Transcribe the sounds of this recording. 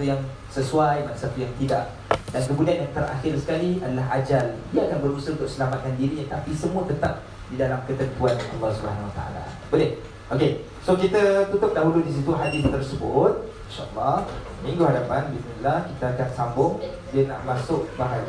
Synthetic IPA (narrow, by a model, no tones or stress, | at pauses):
jaŋ | səsuajmanasat̪ujaŋt̪ida̰ʔ | dankəbunianjaŋt̪əɾʔa̰xɪrsə̥kaliadəlaɦad͡ʒaliaʔakanbəɾusəunt̪ʊʔksəlamat̪̚kandiɾiɲat̪apisəmũət̪ət̪ap̚ | didalamkət̪ənmpuanʔɑ̰lˠːɑhsubəɦanawat̪a̰ʔa̰la̰ | bəlɪh | ʔoke | sokit̪ət̪ut̪ʊp̚daɦuludis̬it̪uɦadɪθt̪ərsəbʊt̪̚inʃaʔɑlːɑh | mĩŋɡuɦadapanbismilːahkit̪əakansambʊŋ | diəna̰ʔmasʊk̚baɦa